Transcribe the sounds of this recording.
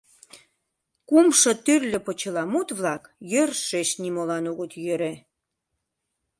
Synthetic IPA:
kumʃɤ̆t̪yrlø̆pə̆t͡ɕə̆lɑmut̪βlɑkjørʃeʃnimolɑnoɣət̪jøɾe

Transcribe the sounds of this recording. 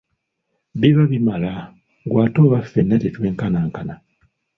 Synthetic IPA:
βiβaβimala | ɡwaːto̞ːβafenːatetwe̞ːŋkanaːŋkana

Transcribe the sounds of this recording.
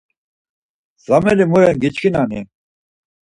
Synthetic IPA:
z̥ɐmelimuɾenɡit͡ɕkinaːni

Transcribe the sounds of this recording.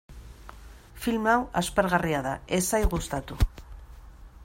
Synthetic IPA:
filmawaspeɾɣariaðae̞sajɣust̪at̪u

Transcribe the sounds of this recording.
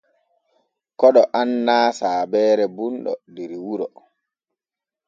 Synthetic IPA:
kɔɗɔʔanːaːsaːbɛːɾɛbunɗɔ̰diɾiwuɾɔ

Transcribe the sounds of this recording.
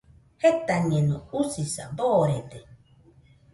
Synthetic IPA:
het̪aɲẽnõusisa̰boːɾed̪e

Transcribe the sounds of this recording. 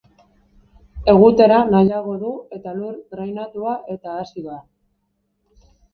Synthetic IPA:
e̞ɣut̪e̞ɾanajaɣ̞o̞ðue̞t̪aluɾɣɾajnat̪uaʔe̞t̪aːsiða

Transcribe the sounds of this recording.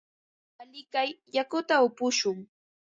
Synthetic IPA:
alɪkajjakʊt̪aʊpʊʃʊŋ

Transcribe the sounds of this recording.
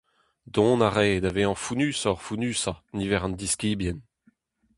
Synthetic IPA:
d̪ɔ̃naʁeːdaveːɑ̃funyːsɔʁfunyːsanivɛʁɑ̃nd̪iskiːbjɛn

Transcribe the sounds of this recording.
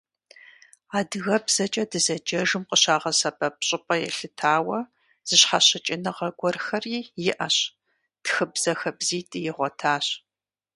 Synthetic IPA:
aːdɨɣɐbz̥ɐt͡ʃʼɐdɨzɐd͡ʒɐʒɨmqʼəɕaːʁɐsɐbɐp̚ɕʼɪpʼɐjɛ̰ɬɨtʰaːwɐ | z̥ɨɕħaɕɪt͡ʃʼɪnɨʁɐɡʷɔrxɐriːjɪʔɐɕ | txɨbz̥ɐxɐbziːtʼɨjɪʁʷɔtʰaːɕ

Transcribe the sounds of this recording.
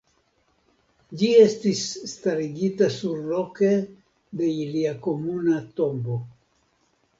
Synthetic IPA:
d͡ʒie̞stisːtaɾiɡitasuɾlo̞ke̞ | de̞iliako̞munato̞mbo̞

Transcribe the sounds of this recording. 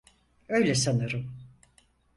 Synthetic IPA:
ø̞jlʲɛsanɯɾɯm

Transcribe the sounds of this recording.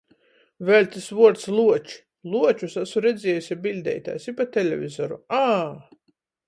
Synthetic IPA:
vɛlʲt̪ʲisvuɔɾt̪slˠuɔt͡ʃi̥ | lˠuɔt͡ʃusasuɾɛd̪zʲɛːjusʲibilʲd̪ʲɛ̰jt̪a̰ːsipat̪ʲɛlʲɛ̰vʲizɔɾuaː

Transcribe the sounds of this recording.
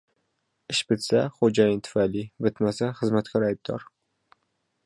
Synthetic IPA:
ɪʃbɪt̪saχod͡ʒajɪnt̪ʰʊ̥fajlibɪt̪masaχɨzmat̪kʲʰaɾajb̚d̪ɒ̰ɾ

